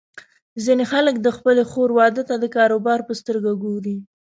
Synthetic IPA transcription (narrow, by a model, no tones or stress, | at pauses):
zinexaləkd̪əxpəlexoɾwɑd̪ət̪ad̪əkɑɾobɑɾpəst̪əɾɡaɡoɾi